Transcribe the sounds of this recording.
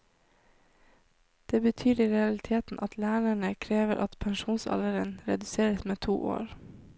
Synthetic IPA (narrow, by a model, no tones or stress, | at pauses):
d̪̥eːbət̪ʰyːɾiːɾɛɑlɪt̪ʰeːt̪n̩ʔɑt̪ʰlæːɳəɳəkʰɾeːʋəʔɑt̪pʰɛŋʃuːnsɑ̰ləɾənɾɛ̰d̪ʉseːɾəsmeːt̪ʰṵːʔo̰ːɾ